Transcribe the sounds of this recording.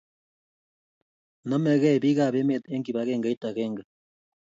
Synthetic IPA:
no˦me˨ɣɛ˦˨βi˦ɣa˨βe˦me˨t̪e˦ŋɡi˨βa˨ɣeː˦˨ŋɡa˦i˦ta˨ɣe˦ŋɡa˨

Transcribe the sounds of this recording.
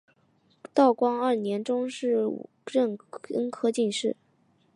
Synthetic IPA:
t̪ɑ˥˩ʊkwɑ˥ŋɐ˞˥˩njɛ˧˥nʈ͡ʂʊ˥ŋʂɻ̩̰˥˩˨ɻə˥˩nə˥nkʰɤ˥t͡ɕi˥˧nʂɻ̩˥˩

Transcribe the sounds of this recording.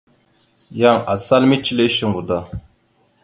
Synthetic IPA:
ja˦˨ŋa˨sa˦lmi˦t͡ʃi˦le˦ʃi˦ŋɡu˨d̪a˦˨

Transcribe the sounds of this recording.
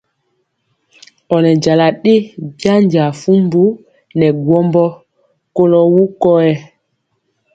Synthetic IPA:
ɔ˨nɛ˨d͡ʒa˨la˨ɗe˦bja˦ɲd͡ʒa˨fu˦mbu˦ | nɛ˨ɡwɔ˦mbɔ˦ | ko˦lɔ˦wu˦kɔ˦ɛ˦

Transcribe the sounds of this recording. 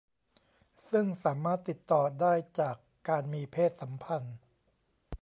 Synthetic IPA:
sɯ˥˩ŋsaː˩˦maː˥˩t̪ːi˨˩t̪ːɔː˨˩daː˥˩jt͡ɕaː˨˩kːaː˧nmiː˧pʰeː˥˩t̪̚sa˩˦mpʰa˧n

